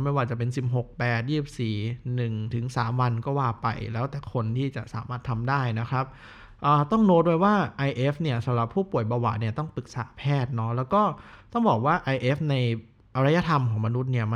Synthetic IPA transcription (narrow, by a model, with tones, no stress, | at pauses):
ma˥˩jwaː˥˩t͡ɕa˨˩pe˧nsi˨˩p̚ɦo˨˩k̚pɛː˨˩t̪̚jiː˥˩p̚siː˨˩nɯ˨˩ŋt̪ʰɯ˩˦ŋsaː˩˦mwa˧nkɔː˥˩waː˥˩pa̰˧jlɛː˦˥wt̪ɛː˨˩kʰo˧nt̪ʰiː˥˩t͡ɕa̰˨˩ʔsa̰ː˩˦maː˥˩t̪ʰːa˧mdaː˥˩jna˦˥kʰɾa˦˥p̚ | ʔaː˨˩t̪ɔ˥˩ŋnoː˦˥t̪̚du˥˧jwaː˥˩ʔa˧jʔe˦˥fni˥˩ɐsa˩˦mɾa˨˩pʰːuː˥˩pu˨˩əjbaː˧wa̰˨˩t̪̚ni˥˩ɐt̪ɔ˥˩ŋpɯ˨˩k̚saː˩˦pʰɛː˥˩t̪̚nɔ˦˥lɛː˦˥wkɔː˥˩t̪ɔ˥˩ŋbɔː˨˩k̚waː˥˩ʔa˧jʔe˦˥f̚na˧j | ʔa˧ɾa˦˥ja˧t̪ʰa˧mkʰɔː˩˦ŋma˧nu˦˥t̪̚ni˥˩ɐm˧